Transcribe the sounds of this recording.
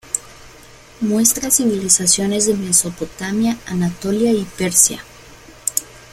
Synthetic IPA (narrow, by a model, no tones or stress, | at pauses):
mwe̞st̪ɾasiβilisasjo̞ne̞zðeme̞so̞po̞t̪amjaanat̪o̞ljaipe̞ɾsja̰